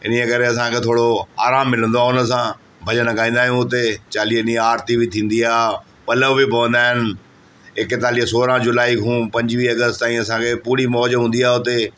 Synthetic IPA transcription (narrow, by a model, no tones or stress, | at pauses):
ɪ̰nekɐɾeɐs̬ãkʰet̪ʰoːɽoaːɾaːmːɪlə̃nd̪oaːʊnə̆s̬ã | bʱɐd͡ʑənkaːĩːn̆d̪aːɦijũʊt̪et͡ɕaːliɦɪiaːɾt̪ibit̪ʰĩːn̆d̪iaː | pɐləʋbɪpɐʋə̃nd̪aːɦɪnɪ̆ | ɪkt̪aːliɦsoːɾãd͡ʑʊlaːikũːpɐ̃ɲd͡ʑʋiːɐɡəst̪t̪aːĩɐsãkʰepuːɾimɔːd͡ʑɦũːn̆d̪iaːʊt̪e